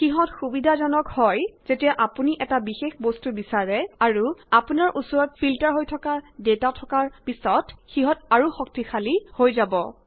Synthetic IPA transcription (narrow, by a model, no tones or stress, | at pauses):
xiɦɔtxubidʱazɔnɔkhɔjz̥etijaʔapuniʔɛtabixexbɔstubisaɹɛaɹuapunaɹʔusɔɹɔt̚fʰiltaɹɦojtʰɔkaɹdetatʰɔkaɹpisɔtxiɦɔtaɹuxɔk̚tixʰalihojzabɔ